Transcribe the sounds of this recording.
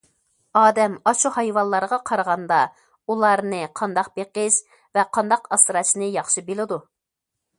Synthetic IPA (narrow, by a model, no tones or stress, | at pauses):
ɑːd̪ɛmɑʃuhɑjwɑnlːˠɑɾʁɑqʰɑɾʁɑnd̪ɑ | ulˠɑɾnɨqʰɑnd̪ɑq̚beqɪʃ | vɛqʰɑnd̪ɑqɑsɾɑsnɨjɑχʃibelɪd̪u